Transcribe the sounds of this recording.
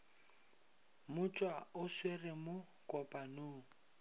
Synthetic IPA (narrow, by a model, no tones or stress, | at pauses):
mʊt͡ʃʼwaʊswerɪmʊ | kʼɔpʼanʊː